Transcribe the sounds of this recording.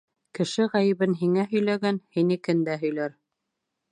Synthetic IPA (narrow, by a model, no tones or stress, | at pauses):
kɘ̆ʃɘʁæjɘ̆βɘnɦiŋæɦɵ̆jlæɡænhinikɘnd̪æɦɵ̆jlæɾ